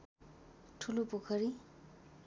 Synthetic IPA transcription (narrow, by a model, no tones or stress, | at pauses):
ʈʰulupokʰʌɾi